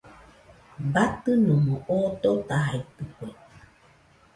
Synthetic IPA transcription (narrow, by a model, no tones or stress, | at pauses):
bat̪ɨnomoʔot̪ot̪aɦait̪ɨkwe